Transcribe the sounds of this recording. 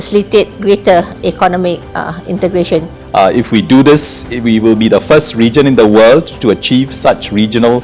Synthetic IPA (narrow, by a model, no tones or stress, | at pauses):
əsilitet̚ɡɹetəɛkɔnɔmɪk̚ḭ̃ntəɡɹeʃɔ̃n | ɪfwidud̪ɪswiwɪlbidəfəstɹid͡ʒə̃nɪ̃nd̪əwəldtuət͡ʃivsat͡ʃɹid͡ʒənəl